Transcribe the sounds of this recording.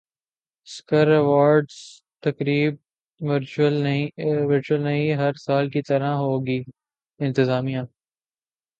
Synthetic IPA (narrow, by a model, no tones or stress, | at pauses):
skəɾɛʋaːɾɖz | t̪ɐkɾiːb̚ | ʋɪɾt͡ʃəlʋɪɾt͡ʃuəlnɐɦĩɦɐɾsaːlkit̪ɐɾaɦoːɡiː | ɪ̃nt̪ɪzaːmijãː